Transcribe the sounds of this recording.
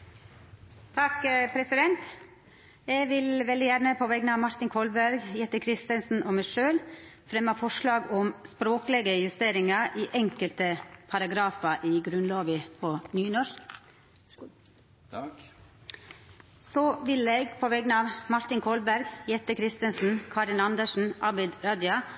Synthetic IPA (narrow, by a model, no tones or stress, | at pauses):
t̪ʰɑkpʰɾɛsɪd̪ɛnt̪ | jɛɪʋɪlʋɛld̪ɪjæɾɳəpʰɔʋɛɡənɑːʋmɑɾt̪ɪnkʰɔlbæɾɡjɛt̪ːəkʰɾɪst̪ənsn̩ʔɔmæʃøːlfɾɛmːɑfɔʂɭɑːɡɔmspɾoːkəlɛɡəjʉst̪eːɾɪŋɑʔiːʔɛŋkəlt̪əpʰɑɾɑɡɾɑːfɑʔiɡɾʉnloːʋɪpʰɔnyːnɔɾk | sɔʋɪleːɡpʰɔʋɛɡənɑːʋmɑɾt̪ɪŋkʰɔlbæɾɡjɛt̪ːəkʰɾɪst̪ənsn̩kʰɑɾɪnɑnd̪əʂn̩ʔɑbɪd̪ɾɑːd̪ʏɑ